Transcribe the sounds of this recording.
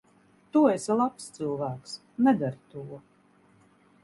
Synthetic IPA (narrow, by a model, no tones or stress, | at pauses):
t̪uɛsalˠapst̪sɨlˠvæːks | nɛd̪aɾt̪uɔ